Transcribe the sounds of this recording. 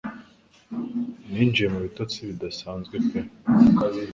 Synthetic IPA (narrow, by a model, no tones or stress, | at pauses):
niːnd͡ʒijemuβitot͡siβidasaːnzɡwekwe